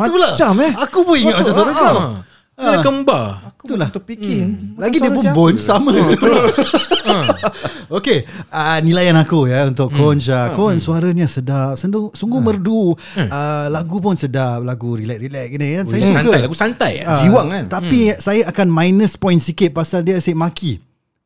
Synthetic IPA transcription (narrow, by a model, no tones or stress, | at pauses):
mãuulat͡ʃamɛakupʊiŋat̪̚mat͡ʃasuaɾət͡ʃa | ənakəmbaakut̪ulaht̪upikɪnlaɡidəpʊnbɔnsamã | okeənĩlajanakujaunt̪ʊkkːɔnt͡ʃakɔnsuaɾaɲãsədap̚səndʊŋsuŋɡumərdu | əlaɡup̬ʊnsədap̚laɡuɾilɛk̚ɾilɛk̚inikansajaankəajlaɡusant̪ajad͡ʒiwaŋkant̪apisajaakanmãjnəspɔjnsikɪt̪̚pasaldiasemaki